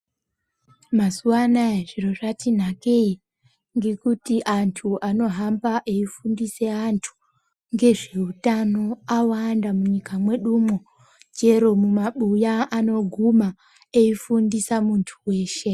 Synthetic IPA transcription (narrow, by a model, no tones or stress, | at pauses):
masuanaeʐiro̞ʐatin̤ake̞i | ŋɡe̞kutiʔantʰuano̞ɦambaʔeifundise̞antʰu̥ | ŋɡe̞ʐe̞utano̞awandamuɲikamwe̞ɗumo | d͡ʒe̞ɾo̞mumaɓujaːno̞ɡʱuma | eifundisamuntʰuwe̞ːʃe̞